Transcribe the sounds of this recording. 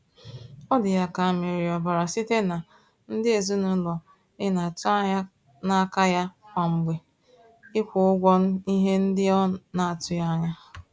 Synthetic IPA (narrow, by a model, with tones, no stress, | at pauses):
ɔ˦dɪ˨ja˦ka˨a˨mɪ˨ɾɪ˨ɔ˨ba˨ɾa˨si˦te˦na˨ | n̩˦dɪ˦e˨zu˦nʊ˦lɔ˨ | ɪ˦na˨tʊ˦a˦ɲa˦ | na˦ka˦ja˦kʷa˨ŋ͡m̩˨ɡ͡be˨ | ɪ˦kʷʊ˨ʊ˦ɡʷɔ˦n̩˦i˦ɦe˦n̩˦dɪ˦ɔ˦na˨a˨tʊ˦ja˦ɲa˦